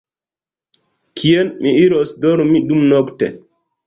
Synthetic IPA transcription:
kʰijɛnmiiɾɔsdɔɾmiɗumnɔktɛ̰

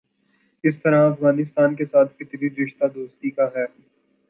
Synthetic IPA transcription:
ɪst̪ɐɾaɐfɣaːnɪst̪aːnkesaːt̪̚ʰkɪt̪biɾɪʃt̪ad̪oːst̪ikaɦɛː

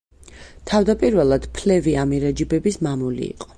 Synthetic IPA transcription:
t̪ʰavd̪apʼiɾvɛlˠad̪̥pʰlɛviamiɾɛd͡ʒibɛbismamulḭḭqʼɔ̥

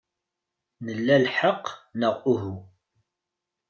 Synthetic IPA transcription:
nəlːælħəqːnəʁʊɦu

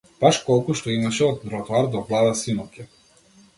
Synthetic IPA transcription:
b̥aʃkɔlˠkuʃt̪ɔimaʃɛɔd̪nɾɔt̪ɔaɾd̪ɔvlˠad̪asinɔfka

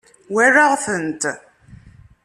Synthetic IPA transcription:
wærːaʁθənt̪

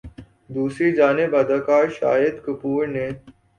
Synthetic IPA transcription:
d̪uːsɾiːd͡ʒaːnɪbɐd̪aːkaːɾʃa̰ːjɪd̪kʊpuːɾneː

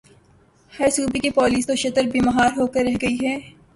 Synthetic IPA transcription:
hɛɾsuːbikipɔːliːst̪oʃɐt̪əɾbʱiːmɐɦaːɾɦoːkɐɾːɐɦɡɐiɦɛː

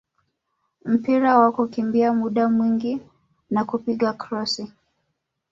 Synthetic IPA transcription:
m̩piɾawakukimbiamuɗamwiŋɡi | nakupiɠakɾɔsi

